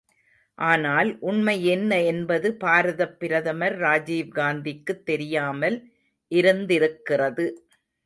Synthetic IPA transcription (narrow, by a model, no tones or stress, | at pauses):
ʔaːnaːlʔʊɳmɐjɛnːɐɛnbɐðɯpaːɾɐðɐpːɪɾɐðɐmɐɾːaːd͡ʒiːʋɡaːnd̪ɪkːɯt̪ːɛɾɪjaːmɐl | ʔɪɾɯnd̪ɪɾɯkːɪrɐðɯ